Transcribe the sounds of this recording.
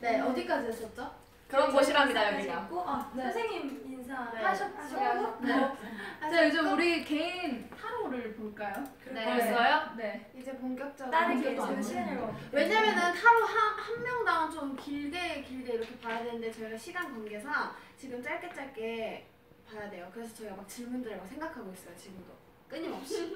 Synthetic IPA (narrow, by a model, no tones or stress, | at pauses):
ne̞ʌdik͈ad͡ʑiʌs͈ʌt̚t͡ɕ͈o | kɯɾʌoɕʰibaŋidajoɡek͈oasnsʰeŋɲiminsʰaŋeaɕʰʌtɕʰɡoɡonet͡ɕajod͡ʑomuɾike̞insʰaɾoɾɯɭpoɭk͈ajokɯnesajoneid͡ʑe̞poŋɡjʌk̚t͡ɕ͈ʌɡaɾeoineʌwe̞ɲamjʌnɯnsʰaɾuɦanhanmːjʌŋdant͡ɕomkiɭde̞kiɭde̞iɾʌkʰe̞pajadwe̞nɯnde̞t͡ɕʌiɡaɕʰiɡankwanɡe̞sʰʌt͡ɕiɡɯmt͡ɕ͈aɭk͈et͡ɕ͈aɭk͈e̞ | pajadwe̞jokɯɾe̞s̬ʰʌt͡ɕʌiɡamak̚t͡ɕiɭmundɯɾemaksʰe̞ŋɡakʰaɡois͈ʌjot͡ɕiɡɯmdo | k͈ɯɲimʌp̚ɕ͈i